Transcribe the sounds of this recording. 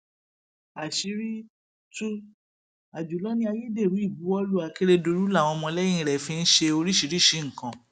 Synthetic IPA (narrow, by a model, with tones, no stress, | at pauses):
a˨ʃi˨˧˦ɾi˦ | tu˦ | a˨d͡ʒu˨˦lɔ˦nĩ˦a˧ji˦de˦˨ɾũ˨˦i˦˨bu˨˦ɔ˧˦lu˦˨a˨ke˦ɾe˧do˧ɾu˦la˦˨w̃ɔ̃˧mɔ̃˧lɛ˦jĩ˦˧˨ɾɛ˨fĩ˧n̩˦ʃe˧o˧ɾi˦ʃi˨˧ɾi˦˨ʃi˧˦ŋ̩̃˨kã˨